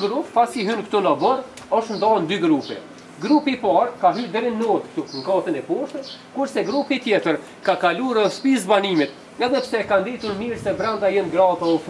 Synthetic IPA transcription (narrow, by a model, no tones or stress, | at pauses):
ɡɾupfasiɦynkt̪ɔlabɔɾ | ɔʃt̪nd̪ɔnd̪yɡɾupɛ̰ | ɡɾupipaɾkaɦyd̪ɛɾinːɔt̪k̚t̪uŋɡɑt̪ənɛpɔʃt̪əskuɾsɛɡɾupit̪jɛt̪əɾ | kakaluɾspisbanimit̪ | ɛðɛpsɛkand̪it̪uɾmiɾsɛbɾand̪ajɛnɡɾat̪aɔf